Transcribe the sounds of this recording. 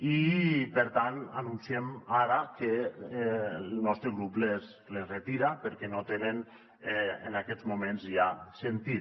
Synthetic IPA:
ipəɾt̪ananunsiemaɾake | lˠnɔst̪ɾeɣɾuples | lezret̪iɾapəɾkɛnot̪enen | ɛḛnakɛzmumẽnzjasent̪i

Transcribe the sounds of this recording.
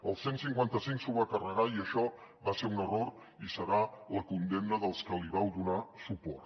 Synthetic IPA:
əlˠsensiŋkwant̪əsiŋksuβakərəɣaiəʃɔ | βaseɾunəroɾ | isəɾaləkund̪emnəðəlˠskəliβawðunasupɔ̰rt̪

